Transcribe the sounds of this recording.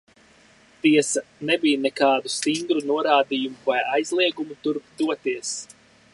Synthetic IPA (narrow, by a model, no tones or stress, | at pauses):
t̪iɛsanɛbijnɛkaːd̪ust̪iŋɡɾunuɔɾaːd̪ijumuvajajzlˠiɛɡumut̪uɾpd̪uɔt̪iɛs